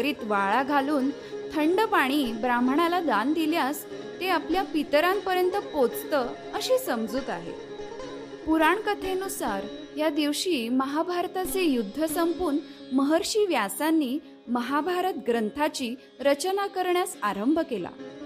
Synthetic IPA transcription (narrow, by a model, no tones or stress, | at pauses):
ɾiːt̪ʋaɭaɡʱaluːn | t̪ʰəɳɖəpaɽ̃iːbɾamɳalad̪and̪iljas | t̪eapljapit̪ɾampəɾjənt̪əpot͡st̪ə | əɕisəmd͡zuːt̪aɦḛ | puɾaɳkət̪ʰenusaɾ | jad̪iʋɕiːməɦabʱaɾt̪at͡sejud̪ʱːəsəmpuːɳ | məɦəɾɕiːʋjasanːiː | məɦabʱaɾət̪ɡɾənt̪ʰat͡ɕiː | ɾət͡ɕnakəɾɳjasaɾəmbʱəkela̰